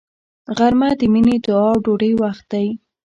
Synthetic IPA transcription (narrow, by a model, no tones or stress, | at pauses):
ɣaɾmad̪əmined̪ʊɑɖoɽəjwaxt̪̚d̪aj